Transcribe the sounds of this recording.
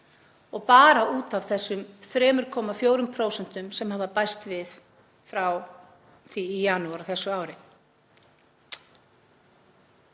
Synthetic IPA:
ɔɣpaːɾaʔuːt̪avθɛsːʏmθɾɛːmʏɾ̥kʰɔːmafjoːwɾʏmpʰɾoːwsɛn̥t̪ʏmsɛmhaːvapajst̪vɪθ | fɾaw | θiːjaːnuaɾaθɛsːʏaːwɾɪ

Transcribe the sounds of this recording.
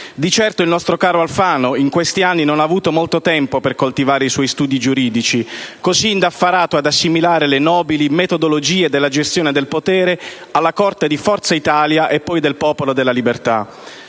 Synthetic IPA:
d̪it͡ʃɛrt̪oilnɔst̪ɾokaːɾoalfaːnoiŋkwest̪ianːinonaːvuːt̪omolt̪ot̪ɛmpoperkolt̪ivaːɾeiswɔjst̪uːd̪id͡ʒuɾiːd̪it͡ʃikoziːnd̪afːaɾaːt̪oad̪asːimilaːɾelenɔːbilimet̪od̪olod͡ʒiːed̪elːad͡ʒest̪joːned̪elpot̪ɛːɾe | alːakɔrt̪ed̪ifɔrt̪sait̪aːljaʔepːɔjd̪elpɔːpolod̪elːalibert̪a

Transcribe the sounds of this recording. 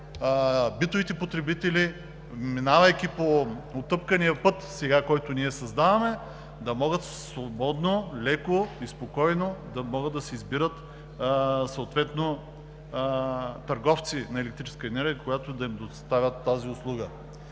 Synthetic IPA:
bit̪ovit̪ɛpot̪ɾɛbit̪ɛli | minavɐjkʲipoot̪ɤpkɐnijɐpɤt̪sɛɡakɔjt̪ʊniɛsɐzd̪avɐmɛ | d̪ɐmɔɡət̪svobɔd̪nolɛkoispokɔjnod̪ɐmɔɡəd̪ɐsɛizbiɾət̪ | soːt̪vɛt̪no | t̪ɐɾɡɔft̪sinɐɛlɛkt̪ɾit͡ʃɛ̥skəɛnɛɾɡʲijəkojat̪od̪ɐimd̪ost̪avʲət̪ːaziʊslˠuɡə

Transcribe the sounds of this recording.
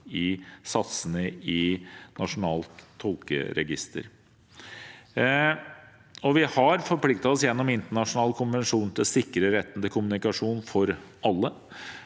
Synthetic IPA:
ɪsɑt̪sənəɪnɑʂʊnɑːlt̪ʰːɔlkə̰ɾɛ̰ɡɪ̰st̪ʰə̰ɾ | ɔʋɪhɑɾfɔɾpʰlɪkt̪ɑɔsjɛnːɔmɪnt̪əɳɑʂʊnɑːləkʰʊnʋɛnʂuːnt̪ʰɪlsɪkːɾəɾɛt̪ːənd̪əkʰʊmʉnɪkɑʂuːnfɔɾɑlːə

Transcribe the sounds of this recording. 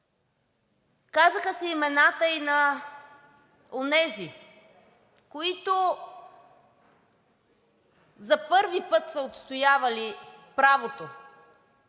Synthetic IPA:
kazəxəsɛimɛnat̪əinɐ | onɛzi | koit̪o | zɐpɤɾvipɤt̪səot̪st̪ojavɐlipɾavot̪o

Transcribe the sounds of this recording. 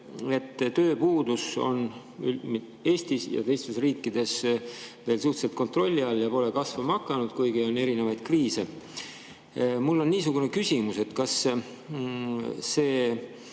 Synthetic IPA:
e̞t̪ːt̪ːøːpuːd̪uso̞̰n | ym | e̞ːst̪isjɑ̰t̪e̞jst̪esriːkːid̪e̞sve̞ːlsuht̪se̞lt̪̚ko̞nt̪ro̞lʲːiɑlːjɑpo̞le̞kɑsvɑmɑkːˑɑnud̪̥kujɡio̞ne̞ɾine̞vɑjd̪̥kriːse̞ | mulːo̞nːiːs̬uɡ̥une̞kysʲimuse̞t̪kɑs | e̞ː

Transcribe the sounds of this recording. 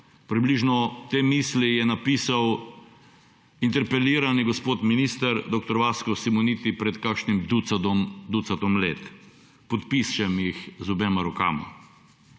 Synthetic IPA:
pɾibliʒnɔt̪eːmislijɛnapisaw | int̪ɛɾpɛliːɾaniɡɔspoːt̪minist̪əɾd̪ok̚t̪ɔɾʋaːskɔsimɔnit̪ipɾɛt̪kakʃnimd̪ud̪ut̪sat̪ɔmlḛːt̪ | pɔt̪pist͡ʃɛmjixzubɛmaɾɔka̰ːma̰

